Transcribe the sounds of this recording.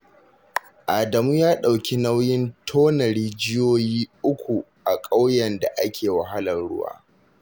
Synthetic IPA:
ʔaː˨dɐ˨muː˦jaː˦ɗa˨wkʲʰi˦na˦wjɪ˦ntʰoː˦nɐ˨ɾiː˦d͡ʒɪ˦joː˦jiː˦ʔʊ˦kʷu˨ʔa˨kʼa˦wjɛ˨nda˨ʔa˦kʲeː˨wa˨ɦa˦lɐ˨nɽʊ̰˦wa̰ː˦

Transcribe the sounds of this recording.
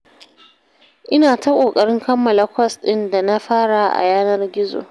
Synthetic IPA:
ʔɪ˦naː˨ta˦kʷʼoː˨kʼɐ˨ɽɪ˦ŋkʰɐ˦mːɐ˨la˨kʷɐ˦sɗɪ˦nda˨na˦ɸaː˦ɽa˨ʔa̰˨jaː˦nɐ˦rɡʲɪ˦zo̰ː˨

